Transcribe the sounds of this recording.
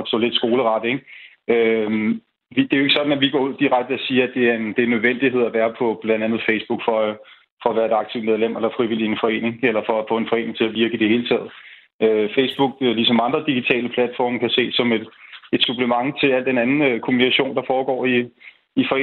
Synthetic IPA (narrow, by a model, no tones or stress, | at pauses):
sɒ̰ːle̝d̥sɡ̥o̝ːləʁɑ̈d̥əeɡ̥ | ø | ʋid̥e̝æoe̝ɡ̥əsɒ̽d̥n̩æʋiɡ̥ɒ̰ːuð̞̰ˠd̥iʁaɡ̥̚d̥əæsiːɐæd̥e̝æɐe̝nd̥e̝ænːøð̞ˠʋen̰d̥ihe̝ð̞̰ˠæʋæːɐpʰɒ̽b̥lænd̥ænð̞̩ˠfesb̥uɡ̥fɒ̽ | fɒ̽æʋæːɐe̝ɾ̥ɑ̈ɡ̥̚t͡sʰiʊmeð̞ˠlem̰elɐfʁiʋil̰ienfɒ̽e̝̰ːne̝ŋelɐfɒ̽æfɔ̽ːe̝nfɒ̽e̝ːne̝ŋt͡sʰe̝læʋiɐɡ̥əid̥e̝he̝ːlət͡sʰɛ̰ːð̞̩ˠ | øfesb̥uɡ̥̚lisɒ̽mɑ̈nd̥ʁɐd̥iɡ̥it͡sʰɛ̰ːləpʰlæd̥fɒ̰ːmkʰæse̝̰̥ːsɒ̽me̝d̥e̝d̥sub̥ləmɑ̈ŋt͡sʰe̝læl̰d̥enænn̩økʰo̝mnikʰæɕo̝̰ːnd̥ɑ̈fɒːɡ̥ɒ̰ːiː | fɒ̽ḛː